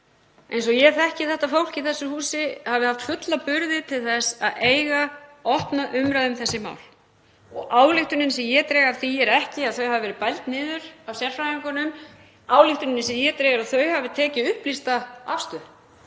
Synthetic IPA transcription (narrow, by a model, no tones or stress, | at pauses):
ejnsɔjɛθɛhcɪθɛht̪afowl̥ciθɛsːʏhuːsɪhavɪhaft̪fʏt̪lapʏɾðɪt̪ʰɪlθɛsaðeːjɣaɔhpnaʔʏmɾaðʏmθɛsːɪma̰ːwl | ɔɣaːwlɪxt̪ʏnɪnsɛjɛt̪ɾɛːɣaɾθiɛɾɛhcɪaðθœɥhavɪvɛɾɪpajlt̪nɪːðʏɾ̥awsjɛr̥fɾajaŋkʏnʏm | aːwlɪxt̪ʏnɪnːɪsɛmjɛt̪ɾɛːɣaɾaðθœɥhavɪt̪ʰɛːcɪʏhplist̪aa̰fst̪ʏ